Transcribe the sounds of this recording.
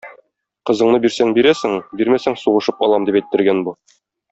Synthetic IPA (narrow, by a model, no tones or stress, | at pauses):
qɤ̆zɤ̆ɴnɤbiɾsæŋbiɾæsɘŋbiɾmæsæŋsuʁɤ̆ʃɤpɒlˠɑmd̪ipæjt̪ːɘ̆ɾɡænbu